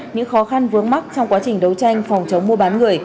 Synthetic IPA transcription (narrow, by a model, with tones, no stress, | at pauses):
ɲɨ̰˧˥ŋxɔ˨˦xa˧nvɨ˨˦əŋma˦˥k̚t͡ɕɔ˧wŋ͡mkwaː˨˦t͡ɕï˨˩ŋ̟ɗə˨˦wt͡ɕa˧jŋ̟fɔ˨˩wŋ͡mt͡ɕə˨˦wŋ͡mmu˧ɓaː˨˦nŋɨ˨˩əj